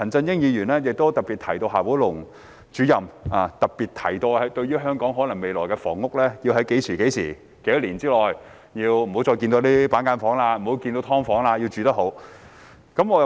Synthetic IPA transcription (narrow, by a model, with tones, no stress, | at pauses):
ɐ˨˩nt͡sɐ˧njɪ˥ŋjiː˨˧ɥyː˨˩nlɛː˥jɪ˨k̚t̪o˥wt̪ɐ˨k̚piː˨t̚t̪ʰɐ˨˩jt̪o˧wɦaː˨˩wuː˨˥lʊ˨˩ŋ | t͡ʃyː˨˥jɐ˨maː˨t̪ɐ˨k̚piː˨t̪̚ʰɐ˨˩jt̪o˧hɐ˨˥jt̪ɵ˧ɥyː˥ɦœː˥ŋkɔː˨˥ŋɦɔː˨˥lɐ˨˩ŋme˨˧jlɔː˨˩jkɛ˧fɔ̰ː˨˩ŋːʊ˥k̚lɛː˥jiː˧wɦɐ˨˥jke˨˥jsʰiː˨˩ke˨˥jsʰḭː˨˩ | ke˨˥jɐ˥t̚liː˨˩nt͡siː˥lɔː˨j | jiː˧wm̩˨˩o˨˥wt͡sɔː˧jki˧nt̪o˧wt̪iː˥paː˨˥nkaː˧˥nfɔː˨˥ŋlaː˧m̩˨˩ho˨˥wki˧nt̪o˧˥wt̪ʰɔː˥ŋfɔː˨˥ŋlaː˧ji˧wt͡ʃyː˨˧t̪ɐ˥ho˨˥w | kɐ˨˥mŋɔː˨˧˨